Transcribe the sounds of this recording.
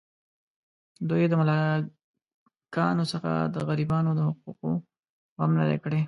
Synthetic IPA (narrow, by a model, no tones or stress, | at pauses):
d̪ojed̪əmʊlɑ | kɑːnosəxa̰d̪ə̰ɣɐɾibɑːnod̪əhʊq̚uːqo̰ | ɣamnɐ̰d̪ḛkɽe